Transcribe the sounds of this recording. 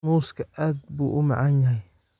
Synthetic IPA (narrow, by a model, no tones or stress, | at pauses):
uːskʰɐʔaːd̪̚buːʔʊma̰ʕanjɐɦɛj